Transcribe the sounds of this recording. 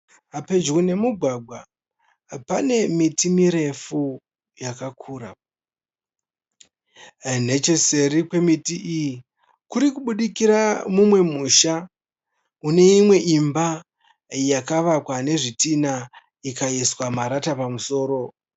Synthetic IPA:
ape̞d͡ʒune̞muɡʱwaɡʱwa | pane̞mitimiɾe̞fu | jakakʰuːɾa | ne̞t͡ʃe̞serikwe̞mitiʔiji | kuɾikuɓuɗikiɾamumwe̞muʃa | une̞imwe̞ʔimba | jakaʋakwane̞ʐitina | ikaiswamaɾatapamuso̞ːɾo̞

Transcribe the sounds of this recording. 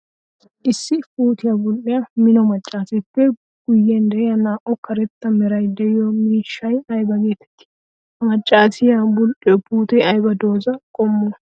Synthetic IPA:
ʔɪsːɪpuːt̪ɪjɐbʊlʔɪjamɪnɔmɐt͡ʃʼːaːsɛpːɛ | ɡ̥ʊjːɛnd̪ɛjɐnaːʔɔkɐɾɛt̪ːɐmɛɾɐjd̪ɛjɪjomiːʃːɐjɐjbɐɡe̞ːt̪ɛ̥t̪ːɪ̥ | mɐt͡ʃʼːaːsɪjabʊlʔɪɔpuːt̪ɛɐjbɐd̪o̞ːzɐkʼɔmːɔ

